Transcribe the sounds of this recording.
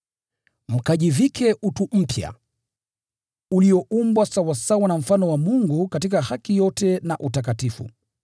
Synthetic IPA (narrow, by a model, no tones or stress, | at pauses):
m̩kaʄivikʰɛʔutum̩pja̰ | uliɔʔumbwasawasawanam̩fanɔwamuŋɡukatikahakijɔtɛnaʔutak̬atifṵ